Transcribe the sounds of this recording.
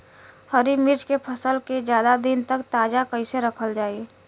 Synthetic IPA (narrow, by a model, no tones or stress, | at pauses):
həɾimiɾd͡ʒkepʰəsəlked͡ʒjaːd̪ad̪int̪ək̚t̪aːd͡ʒakəɪseɾəkʰəld͡ʒaːi